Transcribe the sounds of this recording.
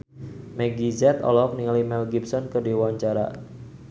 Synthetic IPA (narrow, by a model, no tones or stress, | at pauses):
mɛɡizɛt̪ɔ̰lɔk̚niŋalimɛlɡipsɔnkədiwaɲt͡ʃaɾa̰